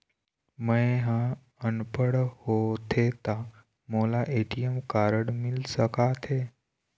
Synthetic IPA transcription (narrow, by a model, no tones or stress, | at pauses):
məɦã | ənpəɽhot̪ʰet̪a | molaʔeʈijəmkaɾəɽmilsəkat̪ʰe